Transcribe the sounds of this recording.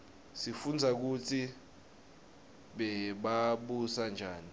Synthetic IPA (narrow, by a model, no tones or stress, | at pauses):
sifund͡zʱak̬ut͡sʰi | ɓɛɓaɓusand͡ʒʱaːni